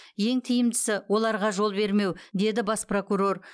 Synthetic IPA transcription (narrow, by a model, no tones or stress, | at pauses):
je̞ŋt̪ʰɪjɪmd̪ɪsɪwo̞lˠɑɾʁɑʒo̞lˠbe̞ɾme̞wd̪e̞d̪ɪbɑspro̞kuɾo̞r